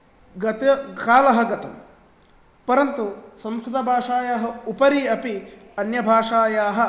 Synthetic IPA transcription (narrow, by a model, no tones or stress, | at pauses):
ɡɐt̪ɐkaːlɐɦɐɡɐt̪ɐm | pɐɾɐnt̪usɐmskɾud̪ɐbʱaːʂaːjɐɦɐ̆upɐɾiɐpiɐnjɐbʱaːʂaːjaːɦɐ̆